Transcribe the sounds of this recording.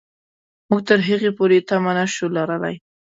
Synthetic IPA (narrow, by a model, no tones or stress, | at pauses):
muɡ̚t̪əɾɦəɣepoɾet̪amanaʃulaɾəla̰j